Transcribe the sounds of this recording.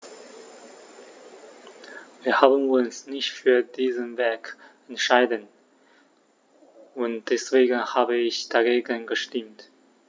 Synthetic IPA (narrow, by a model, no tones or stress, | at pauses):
viːɐhaːbənʊnsnɪçtfyːɐdiːzənvɛɐkɛntʃaɪdən | ʊntd̥ɛsv̥eːɡən̩haːbəɪçd̥aɡeːɡənɡəʃtɪmt